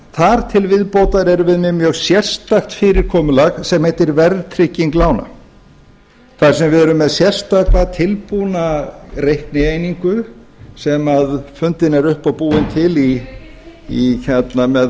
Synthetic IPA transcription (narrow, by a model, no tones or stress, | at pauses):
θaɾ̥t̪ʰɪlvɪðpowt̪aɾɛɾʏvɪðmɪmjœːɣsjɛr̥st̪axt̪fɪːɾɪɾ̥kʰɔːmʏlaɣsɛmhɛjt̪ɪɾvɛɾðt̪ʰɾɪcːiŋklaːwna̰ | θaɾ̥sɛmvɪðɛɾʏmːɛðsjɛr̥st̪aːklat̪ʰɪlpuːnarejhknɪejniŋkʏsɛmaðfʏnt̪ɪnɛɾʏhpawpuːɪnt̪ʰɪli | içɛt̪namɛð